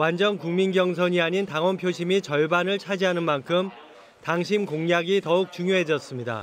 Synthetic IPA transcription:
wand͡ʑʌnkuŋminɡjʌŋs̬ʰʌɲiaɲintaŋwʌnpʰjoɕʰimit͡ɕʌɭbanɯɭt͡ɕʰad͡ʑiɦanɯnmankʰɯm | taŋɕ̬ʰimkoŋjaɡitʌuk̚t͡ɕuŋjoɦe̞d͡ʑʌs͈ɯmɲida̰

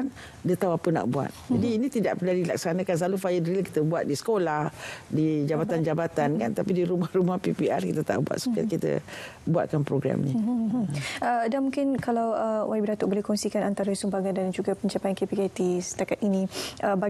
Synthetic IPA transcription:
n | diət̪awapəna̰ʔbua̰t̪̚d͡ʒadiːnĩt̪ida̰ʔpəladila̰k̚sanakanslalufajədəɾilaki̥t̪əbuat̪̚disə̥kolahdid͡ʒabat̪and͡ʒabat̪ankant̪apidiɾumahrumahpipiʔa̰rkit̪ət̪a̰ʔbua̰t̪su̥ka̰kit̪ə̰ | bua̰t̪̚kanpɾoɡɾa̰mni | ʔədanmũŋkɪnkalawəwʔaibəɾat̪ʊʔbolɛhkɔŋsikanant̪aɾəsumbaɡandand͡ʒuɡapəɲt͡ʃapajankepikajt̪isə̥t̪akat̪̚inĩʔəba

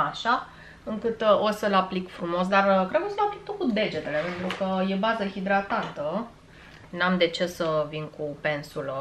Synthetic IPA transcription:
aʃa | ɨŋkɨt̪o̞səlaplikfɾumo̞s̬d̪arkɾed̪kosəlaplik̚t̪okud̪e̞d͡ʒe̞t̪e̞le̞pe̞nt̪ɾukəje̞bazəhid̪ɾat̪ant̪ə | namd̪e̞t͡ʃe̞ssəvinkupe̞nsulə

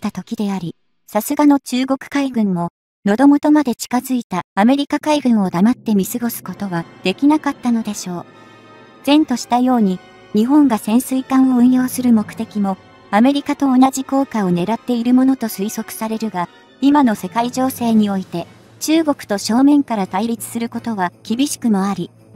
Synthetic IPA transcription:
t̪at̪o̞kʲid̪e̞aɾʲi | sasɨɡano̞t͡ɕɨːɡo̞kɯ̟̥kaiɡɯ̟̃mmo̞ | no̞d̪o̞mo̞t̪o̞mad̪e̞t͡ɕi̥kazɨit̪aːme̞ɾʲikakaiɡɯ̟̃ɰ̃o̞d̪amat̪ːe̞mʲisɨɡo̞sɨ̥ko̞t̪o̞βad̪̥e̞kʲinakat̪ːano̞d̪e̞ɕo̞ː | z̥ẽ̞nt̪o̞ɕi̥t̪ajo̞ːɲ̟i | ɲ̟iɦõ̞ŋɡasẽ̞ɰ̃sɨikãɰ̃o̞ɯ̟̃ɰ̃jo̞ːsɨɾɯ̟mo̞kɯ̟̥t̪e̞kʲimo̞ | ame̞ɾʲikat̪o̞ːnad͡ʑiko̞ːkao̞ne̞ɾat̪ːe̞iɾɯ̟mo̞no̞t̪o̞sɨiso̞kɯ̟̥saɾe̞ɾɯ̟ɡa | imano̞se̞kaiʑo̞ːse̞ːɲ̟io̞it̪e̞ | t͡ɕɨːɡo̞kɯ̥t̪o̞ɕo̞ːmẽ̞ŋkaɾat̪aiɾʲit͡sɨ̥sɨɾɯ̟ko̞t̪o̞βakʲibʲiɕi̥kɯ̟mo̞aɾʲi

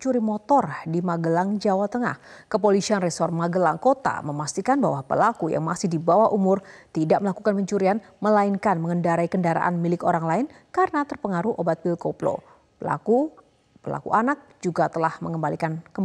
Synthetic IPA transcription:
t͡ʃuɾimot̪ɔrdimaɡəlaŋd͡ʒawat̪əŋa̰hkəp̬olisianresɔrmaɡəlaŋkot̪a̰məmast̪ikanbawahpə̰lakuja̰ŋmasɪhdibawahʔumʊrt̪idaʔməlakukanpəɲt͡ʃuɾian | məlainkanməŋəndaɾaikəndaɾa̰ʔa̰nmilɪkoɾaŋlaɪn | kaɾənat̪ərpəŋaɾuʔobat̪̚bilkoplo̰ | pəla̰ku | pəla̰kṵʔanak̚d͡ʒuɡat̪əlahməŋəmbalikankəmb

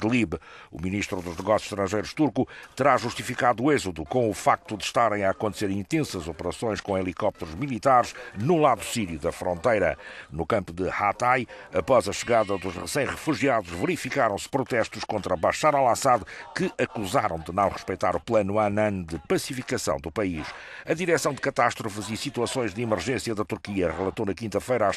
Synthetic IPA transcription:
k̪lˠiβṵminiʃt̪ɾuðuʒnɨɣɔsju̥ʃt̪ɾɐ̃ʒejɾuʃt̪uɾkut̪ɨɾaʒuʃt̪ifikaðuezuðukõufak̚t̪uðɨʃt̪aɾɐ̃j̃aːkõnt̪seɾĩnt̪ẽsɐzɔpɨɾɐsõj̃ʃkõelˠikɔp̚t̪ɾuʒmilˠit̪aɾʃnulˠaðusiɾjuðɐfɾõnt̪ɐjɾɐnukɐ̃mpuðɨhat̪aj | ɐpɔzɐʃɨɣaðɐðuʃʁɨsẽj̃ʁɨfuʒiaðuʒvɨɾifikaɾɐ̃w̃sɨ̥pɾut̪ɛʃt̪uʃkõnt̪ɾɐβaʃaɾalˠasaðkɨʔɐkuzaɾɐ̃w̃d̪ɨnɐ̃w̃ʁɨʃpɐjt̪aɾuplˠɐnuanɐ̃nd̪ɨpɐsifikɐsɐ̃w̪̃d̪upɐiʃɐðiɾɛsɐ̃w̃d̪ɨkɐt̪aʃt̪ɾufɨzisit̪uɐsõj̃ʒðimɨɾʒẽsjɐðɐt̪uɾkiɐʁɨlˠɐt̪onɐkĩnt̪ɐfɐjɾa

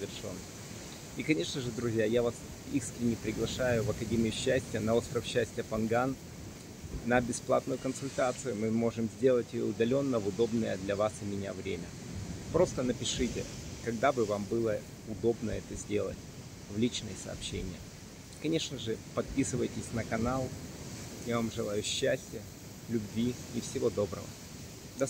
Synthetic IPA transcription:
vʲɪrʂo̞̰nː | ikɐnʲe̞ʂnəʐɨd̪ɾʊzʲjajavas | iskɾʲɪnʲɪpɾʲɪɡlˠɐʂajʊvɐkɐdʲemʲɪjʊɕːæsʲtʲɪjənɐost̪ɾəfɕːæsʲtʲɪjəpɐnɡan | ɐbʲɪsplˠa̰t̪nʊjʊkənsʊlʲt̪at̪sɨjʊmɨmo̞ʐɨmzʲdʲe̞lˠətʲɪʊd̪ɐlʲo̞nːəvʊd̪o̞bnəjə̰d̪lʲɐvasɪmʲɪnʲa̰vɾʲemʲə | pɾo̞st̪ənəpʲɪʂɨtʲɪ̰kɐɡd̪abɨvambɨlˠə | ʊd̪o̞bnəɛt̪əzʲdʲe̞lˠə̰t̚ʲ | vlʲit͡ɕnəjəsə̰ːpɕːḛnʲɪjə | kɐnʲe̞ʂnəʐɨpɐt̪̚pʲisɨvəjtʲɪsʲnəkɐnalˠ | javamʐɨlˠajʊɕːæsʲtʲɪjə | lʲʊbvʲiɪfsʲɪvo̞d̪o̞bɾə̰və̰ | d̪ɐ

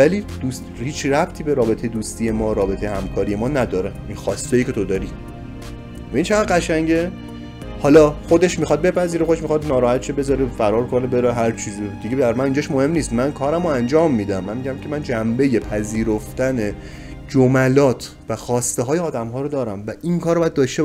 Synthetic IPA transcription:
væliːd̪̥uːst̪hiːt͡ʃʰræbt̪ʰiːbe̞ɾɒːbe̞t̪ʰe̞jed̪uːst̪ije̞mɒːɾɒːbe̞t̪ʰejehæmkʰɒːɾije̞mɒːnæd̪ɒːɾeinxɒːst̪ejikcʰe̞t̪ʰo̞d̪ɒɾi | væiːnt͡ʃʰeʁæd̪ɢæʃæŋɟe | hɒːlɒːxod̪e̞ʃmixɒd̪̚be̞pʰæziːɾexod̪eʃmixɒd̪nɒːɾɒːhæt̪ʰʃebe̞zɒːɾefæɾɒːɾkonebe̞ɾeɦæɾt͡ʃʰiːzod̪̥iɟed̪æɾmæniːnd͡ʒɒʃmohe̞mniːst̪mænkʰɒːɾæmoænd͡ʒɒːmːiːd̪æmːænmiɟæmcʲʰemænd͡ʒæmbe̞je̞pʰæziːɾoft̪æne̞ | d͡ʒomælɒːt̪ʰ | væxɒːst̪eɦɒːjeɒːd̪æmɦɒːɾod̪ɒːɾæmvæʔinkʰɒːɾbɒjæd̪d̪ɒːʃt̪e

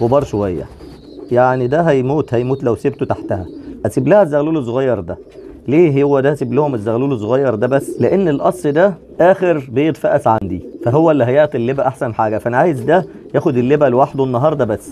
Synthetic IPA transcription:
ɣobɑːɾˤʃowæjːæ̰ | jaʕnid̪æɦæjmuːt̪hæjmuːt̪læwsebt̪ot̪aħt̪æhæ̰hæt̪iblæhæzːæɣluːles̬ˤːoɣɑjːɑɾˤd̪æ | leːɦowːæd̪æht̪eblæhomezːæɣæluːlesˤːoɣɑjːɑɾˤd̪æbæsːleʔenːelʔɑsˤːd̪æ | ʔæːxeɾbejet̪ˤfæʔæsʕand̪ifæɦowːæʔelːiɦæjeʕt̪ˤilːebæʔaħsænħaːɡæfæʔænæʕaːjezd̪æ | jæːxod̪elːebælwaħed̪oenːɑɦɑːɾˤd̪ˤɑbæsː

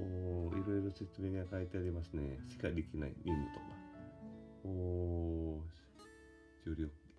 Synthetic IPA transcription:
oːiɾo̞iɾo̞se̞t͡sɨme̞ːɲiakait̪e̞aɾʲimasɨne̞ɕi̥kad̪e̞kʲinaḭnʲimɯ̟t̪o̞kḁ | oː | d͡ʑɨːɾʲok

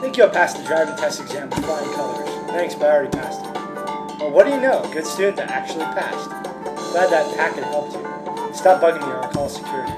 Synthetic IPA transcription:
θɛ̃ɪkjəpʰæstɨdɹaɪvɪ̃ŋtʰɛstɨɡzæ̃mp̩ˠfʰaɪ̃nkʰʌlˠəz̥θæ̃ŋksb̥aɹipʰæstə˞ | wɛlˠwʌt̚d̥ɨjɨnoʊɡʊd̥stʉdⁿn̩tɨæk̚t͡ʃʉl̩ˠipʰæ̰st | l̥æd̪̚ðɨt̚kʰækɨ̃nhɛlˠp̚tʰɨ | stɑp̚b̥ʌɡɪ̃ŋðəɑ̃kʰɔlˠsɨ̥kʰj̥ʊɹɨɾḭ

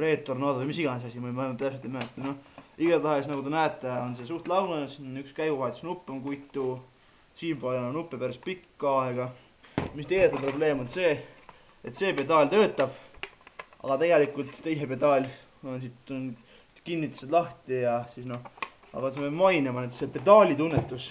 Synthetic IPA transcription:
re̞ːt̪ːˑornɑːd̪omisiɡ̥ɑnesɑsimomɑjmːep̪t̪æpset̪emæet̪ːˑenoiɡ̥ɑt̪ɑɦesnɑɡut̪enæːt̪ːˑeo̞nsesuːrt̪lɑwnesnykskæjɡ̥uvɑet̪usnupːˑemkujt̪ːˑu | siːmpɑlenɑnupːepæɾɑspikːɑeɡ̥ɑ | mist̪ejd̪et̪ːɑpro̞ble̞ːmonse̞ː | et̪se̞pe̞t̪ːɑlʲt̪øːt̪ːˑɑb̥ | ɑ̰ɡ̥ɑt̪e̞ɡe̞likult̪t̪ːe̞jse̞pe̞t̪ˑɑlʲ | o̞nsit̪n | kinʲːit̪ːˑu̥sed̪lɑht̪ijɑsisno̞ | ɑ̰kːɑt̪smemɑjnemɑnet̪sepe̞t̪ːˑɑːlʲit̪unːet̪ːˑus

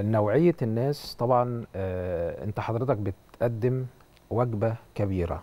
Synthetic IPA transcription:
næwʕejːænːæːst̪ˤɑbʕɑnː | ʔḛnt̪æħɑd̪ˤɾet̪ɑk̚bet̪ʔæd̪ːɪm | wæɡbækæbiːɾæ̰

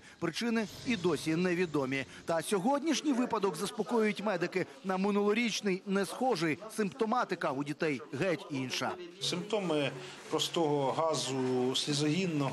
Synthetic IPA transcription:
pɾɪt͡ʃɪnɪid̪ɔsʲinɛʋʲid̪ɔmʲi | t̪ɐsʲɔɦɔdʲnʲiʃnʲijʋɪpɐd̪ɔkzɐspɔkɔjʊjʊtʲmɛd̪ɪkɪ | nɐmɪnulˠɔɾʲit͡ʃnɪjnɛsxɔʒɪjsɪmpt̪ɔmɑt̪ɪkɐudʲit̪ɛjɣɛtʲinʃɐ̰sɪmp̚t̪ɔmɪ | pɾɔst̪ɔɦɔɦɑzʊsʲlʲizɔɦʲinːɔ

